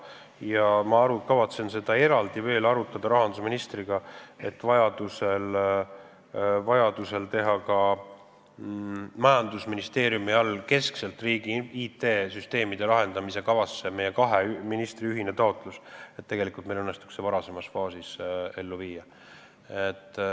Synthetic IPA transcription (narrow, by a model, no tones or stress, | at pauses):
jɑmɑɑɾukɑvɑt̪se̞nse̞d̪̥ɑe̞ɾɑld̪̥ive̞ːlɑɾut̪ːˑɑd̪̥ɑɾɑɦɑnd̪usminist̪riɡ̥ɑe̞t̪ːvɑjɑd̪̥use̞l | vɑjɑd̪̥use̞lt̪e̞ɦɑkɑ | mɑjɑnd̪usminist̪e̞ːɾjumiɑlke̞skse̞lt̪ːriːɡ̥iit̪e̞ːsyst̪e̞ːmid̪̥e̞lɑɦe̞nd̪ɑmise̞kɑvɑsːe̞mejːe̞kɑɦe̞minist̪riyɦine̞t̪ɑo̞t̪ːˑluset̪ːe̞ɡe̞likˑult̪melɤnːe̞st̪u̥kse̞vɑɾɑse̞mɑsfɑːsise̞lːuviːjːɑ | et̪ːˑ